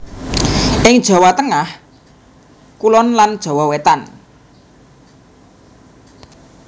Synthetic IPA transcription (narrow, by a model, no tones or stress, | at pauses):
ɪŋd̥ʒ̥ɔ̤wɔt̪əŋah | kulɔnland̥ʒ̥ɔ̤wɔwet̪an